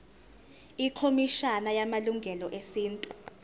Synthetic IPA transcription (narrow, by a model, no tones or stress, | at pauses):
ikʰomiʃanajamaluŋɡʱɛlɔʔesiːntʼu